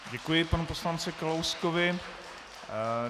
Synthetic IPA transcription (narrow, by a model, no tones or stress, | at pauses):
ɟɛkujɪpanupo̞slant͡sɪkalawskovɪ